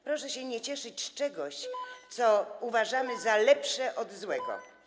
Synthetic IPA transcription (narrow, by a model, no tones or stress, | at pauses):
pɾɔʂɛɕɛɲɛt͡ɕɛʂɘt͡ɕt͡ʂɛɡɔɕt̪sɔuvaʐamɘzalɛpʂɛʔɔd̪zwɛɡɔ̰